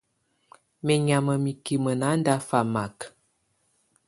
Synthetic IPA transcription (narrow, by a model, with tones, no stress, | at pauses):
mɛ˨ɲa˨mə˨mi˨ki˨mə˨na˨˦n˦da˦fa˨ma˨k